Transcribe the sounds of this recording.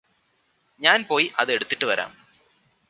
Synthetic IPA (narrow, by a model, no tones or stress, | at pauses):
ɲaːnpo̞ːjiʔɐðɨe̞ɽut̪ːi̥ʈːɨʋɐɾʔa̰ːm